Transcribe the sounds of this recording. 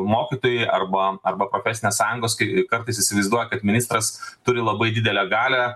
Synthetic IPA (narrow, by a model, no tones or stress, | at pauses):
moːkʲit̪oːjʊɪʔɐrbɐɐrbɐpɾoːfʲɛsʲɪnʲeːssɑːjʊŋɡoːskɐɪkɐɾt̪ɐɪsɪsʲɪʋɐɪzd̪uɔjɛkɐt̪mʲɪnʲɪst̪ɾɐst̪ʊɾʲɪlˠɐbɐɪd̪ʲɪd̪ʲɛlʲɛɡɑːlʲɛ